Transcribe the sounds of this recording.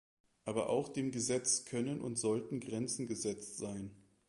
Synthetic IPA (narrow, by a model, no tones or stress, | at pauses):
ʔaːbɐ̰ʔa̰ʊxd̥eːmɡəzɛt͡skʰœnənʔʊ̰ntz̥ɔltn̩ɡʁɛnt͡sn̩ɡəzɛt͡stz̥aɪn